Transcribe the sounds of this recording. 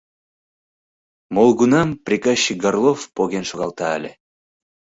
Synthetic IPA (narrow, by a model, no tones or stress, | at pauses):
molˠɡunɑmpɾʲikaɕːiɡarlˠofpoɡʲenʃoʁɑlˠt̪ɑːlʲe